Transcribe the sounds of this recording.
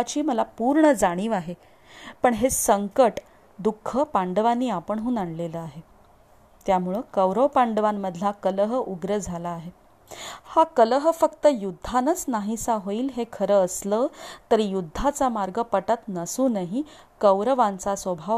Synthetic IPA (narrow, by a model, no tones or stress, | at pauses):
t͡ɕiːməlapuɾɳəd͡zaɽ̃iːʋaɦe | pəɳɦesəŋkəʈ | d̪ukʰːəpaɳɖəʋanːiːapəɳɦuːnaɳleləaɦe | t̪jamuɭəkəwɾəwpaɳɖəʋamːəd̪ʱlakələɦəuɡɾəd͡zʱalaːɦe | hakələɦəfəkt̪əjud̪ʱːanət͡snaɦisaɦoiːlɦekʰəɾəːslət̪əɾijud̪ʱːat͡samaɾɡəpəʈat̪nəsuːnaɦi | kəwɾəʋant͡sasʋəbʱa